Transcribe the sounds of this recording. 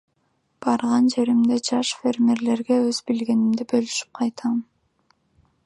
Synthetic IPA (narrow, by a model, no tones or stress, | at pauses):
b̥ɑɾʁɑnd͡ʒe̞ɾimd̪e̞d͡ʒɑʃfʲe̞rmʲeɾle̞ɾɡe̞øzbilɡe̞nimd̪ibølyʃy̥p̚qʰɑjt̪ʰɑm